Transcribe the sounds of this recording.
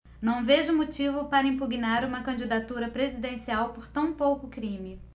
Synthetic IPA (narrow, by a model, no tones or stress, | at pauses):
nɐ̃w̃veʒʊmot͡ʃivʊpaɾɐĩpuɡinaɾũmɐkɐ̃d͡ʒid̪at̪uɾɐpɾezid̪ẽsiawpoɾt̪ɐ̃w̃powkʊkɾĩmɪ